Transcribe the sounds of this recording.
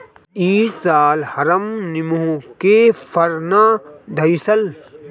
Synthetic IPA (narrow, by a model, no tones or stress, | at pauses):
iːsaːlhɐɾɐmnɪmuũkefʰɐɾnaːd̪ʱɐjsɐl